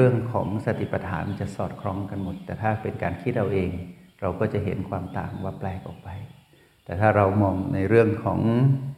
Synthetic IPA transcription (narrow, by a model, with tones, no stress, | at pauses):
ɯ˥˩əŋkʰɔ̰ː˩˦ŋsa˧t̪ʰi˨˩pa˧t̪ʰa̰ː˩˦nt͡ɕa˨˩ʔsɔː˨˩t̪̚kʰɾɔː˧˥ŋka˧nmo˨˩t̪ːɛː˨˩t̪ʰaː˥˩pe˧nkaː˧nkʰi˥˩t̪̚ɾa˧wʔeː˧ŋ | ɾa˧wkɔː˥˩t͡ɕa˨˩ɦe˩˦nkʰwaː˧mt̪aː˨˩ŋwaː˥˩plɛː˧k̚ʔɔː˨˩k̚pa˧j | t̪ɛː˨˩t̪ʰaː˥˩ɾa˧wmɔː˧ŋna˧jɾɯ˥˩əŋkʰɔː˩˦ŋ